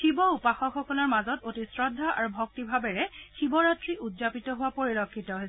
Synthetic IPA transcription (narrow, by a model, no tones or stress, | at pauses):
ʃibɔupaxɔxɔkunɔɹmazɔtotisɹɔdʱːaʔaɹubʱɔk̚tibʱabɛɹɛkibɔɹatɹiʔudzapitɔɦʊwapoɹilɔkʰːitɔɦoj